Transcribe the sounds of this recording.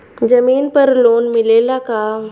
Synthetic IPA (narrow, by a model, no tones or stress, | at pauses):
d͡ʑəmiːnpəɾlonmilelaka